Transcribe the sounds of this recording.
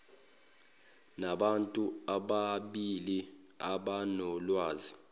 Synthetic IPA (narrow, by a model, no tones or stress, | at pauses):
naɓantʼuaɓaɓili | aɓanɔlwaːzi